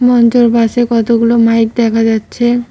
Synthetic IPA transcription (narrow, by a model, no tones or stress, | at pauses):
mɔnt͡ɕoɾpaʃekɔt̪oɡulomajk̚d̪ɛkʰad͡ʑatːɕʰe